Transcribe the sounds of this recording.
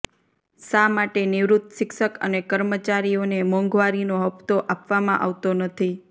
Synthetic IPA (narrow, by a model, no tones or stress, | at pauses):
samaʈenɪʋɾut̪ʃɪkʃəkə̰nekəɾmət͡ʃaɾijonemɔ̃ŋɡʋaɾinoɦəpt̪oʔapʋamãʔa̰ʋt̪onət̪ʰi